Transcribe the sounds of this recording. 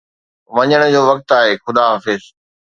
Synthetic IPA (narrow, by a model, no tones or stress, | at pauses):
ʋɐɲəɽ̃ʊ̆d͡ʑoːʋɐk̚t̪aːɦeːxʊd̪aːɦaːfɪz